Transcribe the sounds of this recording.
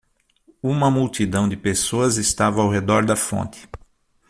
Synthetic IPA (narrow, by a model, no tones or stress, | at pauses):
ũmɐmuwt̪id̪ɐ̃w̃d̪ɪpesoɐzɪst̪avɐːwɦed̪ɔɾd̪ɐfõ̰nt̪ɪ̥